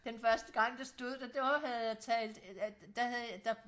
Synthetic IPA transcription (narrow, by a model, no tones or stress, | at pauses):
d̥enfɶɐsd̥əɡ̥ɑ̈ŋ̰d̥ɑsd̥o̝ð̰ˠd̥æd̥ɒhæð̩ˠjat͡sʰɛ̰ːld̥d̥æhæðˠjd̥ɑ